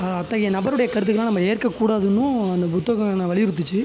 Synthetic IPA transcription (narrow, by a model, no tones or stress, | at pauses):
ɐɐt̪ːɐɣɪjɐnɐbɐɾɯɽɐjɐkɐɾɯt̪ːɯkːɐlãːnɐmːɐeːɾkɐkːuːɽaːðɯnːʊ̃ɐnd̪ɐpʊt̪ːoɣɐŋɐnːɐʋɐɭɪjɪɾɯt̪̬ːɯt͡ʃːɯ